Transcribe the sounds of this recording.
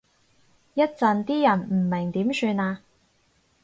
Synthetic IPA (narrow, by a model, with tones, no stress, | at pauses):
jɐ˥t̚t͡sɐ˧nt̪iː˥jɐ˨˩nm̩˨˩mɪ˨˩ŋt̪iː˨˥msyː˧naː˧